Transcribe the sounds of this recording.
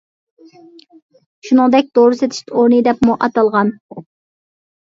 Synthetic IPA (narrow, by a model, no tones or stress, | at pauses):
ʃunɨŋd̪ɛk̚ʲd̪̥oɾɨset̪ʰi̥ʃt̪oɾnɨd̪ɛpmuʔɑt̪ɑlˠʁɑn